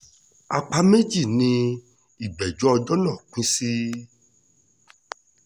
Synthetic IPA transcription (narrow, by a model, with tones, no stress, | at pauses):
a˧k͡pa˧me˦d͡ʒi˦˨nĩ˧ | i˨ɡ͡bɛ˨d͡ʒɔ˦ɔ˧d͡ʒɔ˦nã˦˨k͡pĩ˦si˦